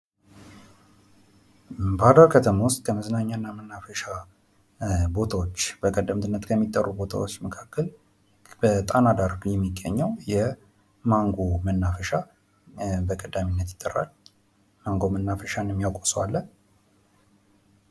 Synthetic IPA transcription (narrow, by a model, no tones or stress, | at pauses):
bəhad̪aɾkʰət̪ʰəmawʊst̪ʼkʰəməznaɲːanːamənːafəʃa | bo̞t̪ʰawot͡ʃːb̥əkʼəd̪əmd̪ɨnːət̪kʰəmːit̪ʼːərːubo̞t̪ʰa̰wot͡ʃːməkʰakːəl | b̥ət̪ʼanad̪aɾɡjɛmːiɡə̰ɲːəwjɛ | maŋɡomənːafəʃa | bəkʼəd̪aminːət̪jɪ̥t̪ʼːərːa̰l | maŋɡo̞mənːafəʃanəmːijawkʼoswa̰lːə